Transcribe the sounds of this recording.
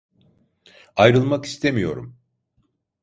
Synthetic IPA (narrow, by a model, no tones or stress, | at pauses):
ajɾɯlˠmaki̥st̪ʰemijo̞̰ɾṵm